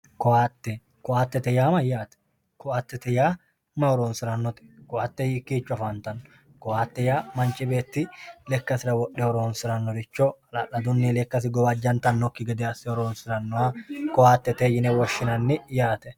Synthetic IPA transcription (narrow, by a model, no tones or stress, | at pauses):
kɔaːt̪ːɛ | kʊʔaːt̪ːɛt̪ɛjaːmɐjːaːt̪ɛ̥ | kʊaːt̪ːɛt̪ɛjaː | mɐɔɾoːnsɪɾɐnːɔt̪ɛ̥kʊʔaːt̪ːɛjɪkːiːt͡ʃːʊɐfaːnt̪ɐnːɔ̥ | kɔaːt̪ːɛjaːmɐnt͡ʃʼɪbeːt̪ːɪlɛkːɐsɪɾɐwɔɗːɛɔɾoːnsɪɾɐnːɔɾɪt͡ʃːɔɐlɐlːɐd̪ʊnːɪlɛkːɐs̬ɪɡɔbɐd͡ʒːɐnt̪ɐnːɔkːɪɡɛd̪ɛɐsɪɔɾoːnsɪɾɐnːɔakɔaːt̪ːɛt̪eːjɪnɛwɔʃːɪnɐnːɪjaːt̪ɛ